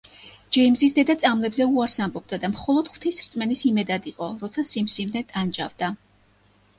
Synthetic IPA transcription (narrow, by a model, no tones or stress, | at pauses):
d͡ʒɛimzisd̪ɛd̪at̪sʼamlɛbzɛuaɾsambɔb̚d̪ad̪amχɔlˠɔd̪̥χwv̥t̪ʰisɾt̪sʼmɛnisimɛd̪ad̪iqʼɔɾɔt̪sʰasimsivnɛt̪ʼand͡ʒʼavd̪a